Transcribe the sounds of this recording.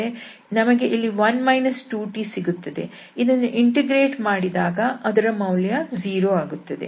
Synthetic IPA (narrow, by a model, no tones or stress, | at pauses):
e | nɐmɐɡe̞ʔilːiʋɐnmɐjnɐsʈuːʈisiɡut̪ːɐd̪e̞̰ | id̪ɐnːuʔiɳʈeɡɾeːʈmaːɽid̪aːɡɐʔɐd̪ɐɾɐmɐwljɐziːɾoːaːɡut̪ːɐd̪e̞̰